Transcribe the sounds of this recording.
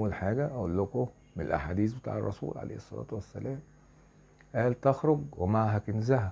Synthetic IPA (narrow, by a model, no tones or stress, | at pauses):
wːælħaːɡæʔæʔolːʊko | menḛlʔa̰ħaːd̪iːsbet̪a̰ːʕerˤːɑsṵːlʕa̰lḛjhesˤːɑ̰læ̰ːt̪wæsːæ̰læːm | ʔæːlt̪ɑxɾoɡwemaʕɦækɪnzæhæ